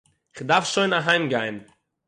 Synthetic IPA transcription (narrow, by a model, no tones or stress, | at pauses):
ɪχdaɾfʃoɪnaɦaɪmɡaɪn